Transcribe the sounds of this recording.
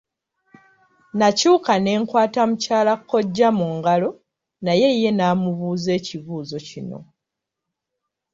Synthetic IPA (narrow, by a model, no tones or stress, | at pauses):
nacuːkane̞ːŋkwaːtamucaːlakʰːo̞ɟːamuŋɡalo̞ | naje̞je̞naːmuβuːze̞ːciβuːzo̞cino̞̰